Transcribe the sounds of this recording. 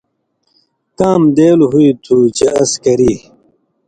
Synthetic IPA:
kaːmd̪eːlɦuit̪ʰuːt͡ɕeʔɐskɐɾiː

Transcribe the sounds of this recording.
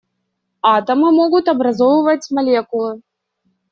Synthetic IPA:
at̪ɐmɨmɔɣut̪ɐbɾazɔwvɐt͡sʲmalʲɛkulˠɨ

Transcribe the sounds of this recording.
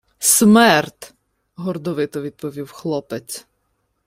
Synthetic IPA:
smɛrt̪ | ɦɔrd̪ɔʋɪt̪ɔʋʲid̪̚pɔʋʲiwxlˠɔpet͡sʲ

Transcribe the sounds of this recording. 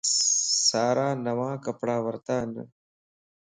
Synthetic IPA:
saːɾaːnɐʋãːkəpɽaːʋəɾt̪aːnə̰

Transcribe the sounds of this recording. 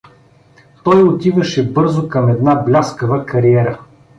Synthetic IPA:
t̪ɔjot̪ivɐʃɛbɤɾzokɐmɛd̪nablʲaskəvəkɐɾiɛɾə

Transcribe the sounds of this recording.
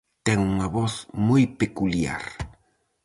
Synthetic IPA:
t̪ɛŋuŋɐβɔθmujpekulja̰ɾ

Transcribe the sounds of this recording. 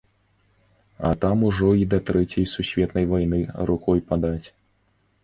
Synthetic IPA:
ɐ̰t̪amuʐɔid̪ɐt̪ɾɛt͡sʲjɐjsusʲvʲɛt̪nɐjvajnɨɾukɔjpad̪at͡sʲ

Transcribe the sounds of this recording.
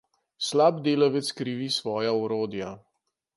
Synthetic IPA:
slaːbd̪eːlaʋɛt̪skɾiʋisʋɔːjaɔɾoːd̪ja

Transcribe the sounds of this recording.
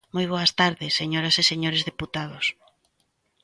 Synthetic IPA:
mojβ̞oɐst̪aɾðɪsːeɲoɾaseseɲoɾezðeput̪að̞os

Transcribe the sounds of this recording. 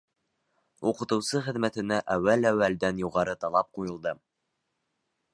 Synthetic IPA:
uqɤ̆t̪ɤ̆wsɤχɘ̆ðmæt̪ɘ̆næʔæwːælæwːæld̪ænjuʁɑɾɤt̪ɑlˠɑp̚qujɤ̆lˠd̪ɤ

